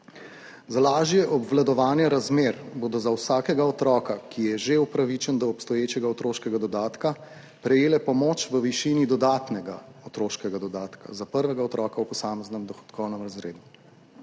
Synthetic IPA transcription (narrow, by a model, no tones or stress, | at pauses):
zalaːʒjɛʔɔbʋlad̪ɔʋaːnjɛɾazmeːɾboːd̪ɔzawsaːkɛɡaɔt̪ɾɔːkakʰijɛʒeupɾaʋit͡ʃɛnd̪ɔːpst̪ɔjeːt͡ʃɛɡaɔt̪ɾoːʃkɛɡad̪ɔd̪aːt̪ka | pɾɛjeːlɛpɔmoːt͡ʃʋəʋiʃinid̪ɔd̪at̪nɛɡaɔt̪ɾoːʃkɛɡad̪ɔd̪aːt̪ka̰zapəɾʋɛɡaɔt̪ɾɔːkawpɔsaːmɛznɛmd̪ɔxɔ̥t̪kʰɔwnɛmɾazɾeːd̪u